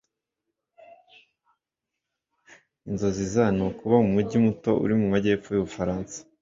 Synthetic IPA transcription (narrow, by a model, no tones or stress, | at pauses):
inzo̞zizanokuβamumuɟimuto̞ʔṵɾimumaɟe̞ːfojuβufaɾaːnsḁ